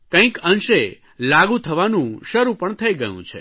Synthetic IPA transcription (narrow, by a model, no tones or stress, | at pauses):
kə̃ĩkənʃe | laɡut̪ʰəʋanũʃəɾupəɳt̪ʰəiɡəjṵ̃t͡ʃʰḛ